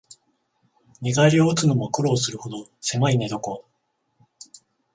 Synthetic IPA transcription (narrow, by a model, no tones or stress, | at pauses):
ɲʲiɡaɾʲioːt͡sɨnomakɯ̟ɾo̞ːsɨɾɯ̟ho̞d̪o̞se̞maine̞d̪o̞ko̞